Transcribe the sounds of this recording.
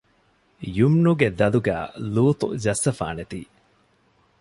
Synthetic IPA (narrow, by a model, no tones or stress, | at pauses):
jumnuɡed̪ɐluɡæ̰ːluːt̪ṵd͡ʒɐsːɐfa̰ːnet̪iː